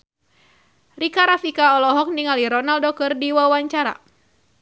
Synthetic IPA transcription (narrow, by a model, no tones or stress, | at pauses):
rikaɾafikaɔlɔɦɔk̚niŋaliɾɔnaldɔkərdiwawaɲt͡ʃaɾa̰